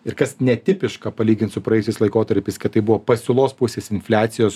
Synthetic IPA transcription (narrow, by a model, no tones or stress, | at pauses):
ɪɾkɐsnʲɛt̪ʲɪpʲɪʃkɐpɐlʲiːɡʲɪnt̪sʊpɾɐɛjʊsʲɛɪslˠɐɪkoːt̪ɐɾʲpʲɛɪskɐt̪t̪ːɐɪbʊʋoːpɐsʲɪlˠoːspʊsʲeːsɪnʲfʲlʲæːt̪sʲɪjoːs